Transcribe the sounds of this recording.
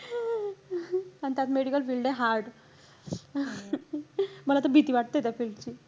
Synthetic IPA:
anit̪jat̪meɽikəlfilɖeɦaɾɖ | məlat̪əbʱit̪iːʋaʈ̚t̪əjt̪jafilɖt͡ɕiː

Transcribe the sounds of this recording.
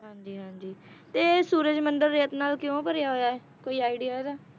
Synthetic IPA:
ɦãːɲd͡ʒiːɦãːɲd͡ʒiː | t̪eːsuːɾəd͡ʒmənɖəɾːeːt̪naːlkɪjõːpəɾjaːɦoːjaːɛː | koːiːaːiɖɪjaːɦɛːd̪aː

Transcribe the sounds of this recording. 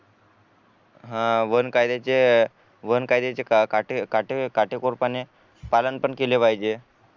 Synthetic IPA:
ɦãʋənkajd̪et͡ɕe | ʋənkajd̪et͡ɕekakaʈekaʈekaʈekoɾpane | palənpəɳkelepajd͡ʑe

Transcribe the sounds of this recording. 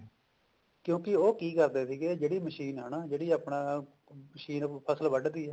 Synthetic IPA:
kjõːkɪoːkiːkəɾd̪eːsiːɡeːd͡ʒeːɽiːməʃiːnɦənaːd͡ʒeːɽiːaːpɳaː | məʃiːnpʰəsəlʋəɖd̪iːɛː

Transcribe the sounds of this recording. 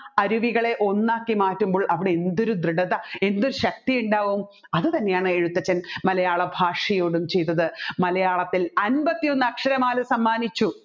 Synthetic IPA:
ɐɾuʋiɣɐɭe̞ʔo̞nːaːkːimaːtːumboːɭʔɐʋiɽeend̪o̞ɾud̪ɾɨɽɐðɐe̞nd̪oɾuɕɐk̚t̪ijuɳɖaːʋum | ɐðɨt̪ɐnːe̞jaːɳɨe̞ɻut̪ːɐt͡ɕːɐnmɐlɐjaːɭɐbʱaːʂɐjo̞ːɽumt͡ɕe̞jt̪ːɐðɨmɐlɐjaːɭɐt̪ːilɐnbɐt̪ːijo̞nːɨɐkʂɐɾɐmaːlɐsɐmːaːnit͡ɕːu

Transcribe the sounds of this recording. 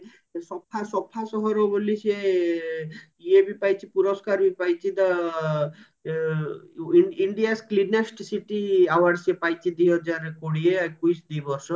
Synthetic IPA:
sɔpʰːasɔpʰːasɔɦɔɾobolise | iebipajt͡ʃʰipuɾɔskaɾbipajt͡ʃʰid̪a | iɳɖiasklinesʈsiʈiawaɾsepajt͡ʃʰid̪iɦɔd͡ʒaɾkoɽieakujsd̪ibɔɾsɔ

